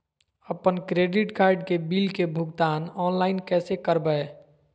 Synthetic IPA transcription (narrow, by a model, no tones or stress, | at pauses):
əpənkɾeːɖɪʈkaːɾɖkebiːlkebʱʊɡt̪aːnɔːnlaɪnkɛːsekəɾbəe